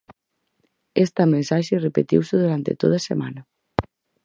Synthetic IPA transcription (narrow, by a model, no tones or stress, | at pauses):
est̪amẽnsaʒerepet̪iwseðuɾant̪ḛt̪oðasema̰nɐ